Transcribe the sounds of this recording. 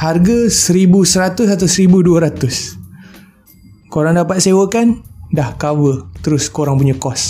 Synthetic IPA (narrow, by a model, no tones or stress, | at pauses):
harɡasəɾibusəɾat̪ʊsat̪awsəɾibuduəɾat̪ʊs | koɾaŋdapat̪̚sewəkandahkawət̪əɾʊskoɾaŋpuɲakɔs